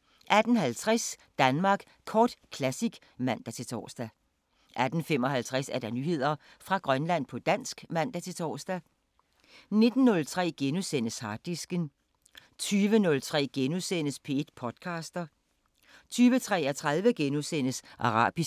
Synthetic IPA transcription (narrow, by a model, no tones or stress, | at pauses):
ʔæd̥n̩ɦælt͡sʰʁɛsd̥ænmɑ̈ːɡ̥ | kʰɒːd̥kʰlæsiɡ̥ | mæn̰d̥æt͡sʰe̝lt͡sʰɒ̰ːsd̥æ | ʔæd̥n̩femɒ̽ɦælt͡sʰʁasæɐɾ̥ɑ̈nyːhe̝ð̞̰ˠɐ | fʁɑ̈ɡ̥ʁɶnlæn̰pʰɒ̽d̥æn̰sɡ̥mæn̰d̥æt͡sʰe̝t͡sʰɒ̰ːsd̥æ | ne̝d̥n̩ːɔ̽lt͡sʰʁɛ̰ːɡ̥enusen̰əshɑ̈ːd̥isɡ̥ən | t͡sʰyːʋənɔ̽lt͡sʰʁɛ̰ːɡ̥enusen̰əspʰe̝ed̥̚pʰɒ̽d̥kʰɑ̈ːsd̥ɐ | t͡sʰyːʋət͡sʰʁɛ̰ːæt͡sʰʁɑ̈ðˠʋəɡ̥enusen̰əsʔɑ̈ʁɑ̰̈ːb̥i